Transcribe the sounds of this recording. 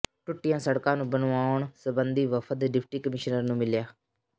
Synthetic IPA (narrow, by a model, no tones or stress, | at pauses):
ʈʊʈːɪjãːsəɽkãːnũːbənʋaːʊɳsəbənd̪iːʋəpʰət̪ɖɪpʰʈiːkəmɪʃnəɾnũːmɪljaː